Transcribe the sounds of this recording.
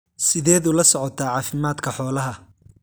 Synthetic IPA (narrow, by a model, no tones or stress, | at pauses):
sɪðɛːðʊlɐsɔʕɔt̪ʰaːʕɑːfɪmaːd̪kʰɐħɔːlɐɦɐ